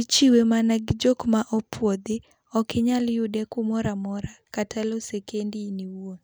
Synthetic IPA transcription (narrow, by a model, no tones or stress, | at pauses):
it͡ʃiwemanaɡd͡ʒokmaʔɔpwod̪ɪ | ɔkɪɲaljʊdɛkumɔɾamɔɾakatʰalɔsekendiniwuo